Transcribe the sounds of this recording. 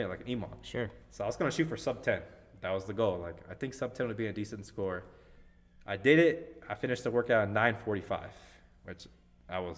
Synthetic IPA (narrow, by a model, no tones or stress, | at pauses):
laɪkɨnĩmɑ̰̃nʃʊɹsoʊaɪwʌzɡʌnɨʃʉtfə˞sʌb̚tʰɛ̃n | ðɨt̚wʌzðɨɡoʊlˠlaɪka̰ɪθɪ̃ŋksʌb̚tʰɛ̃nwɨd̚biɨ̃nɨdisɨ̃n̩tskɔɹ | ʔaɪdɪɾɪt̚aɪfɪ̃ñɨʃtʰəwɜ˞kaʊɾnːãɪ̃nfɔɹɾifa̰ɪv̥ | wɨt͡ʃ | ʔaɪwʌz